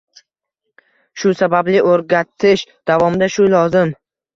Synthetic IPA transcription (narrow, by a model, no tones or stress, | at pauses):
ʃʊsabablɪʔoɾɡʲat̪ʰɪʃd̪̥avɒmd̪aʃʊlɒzɪm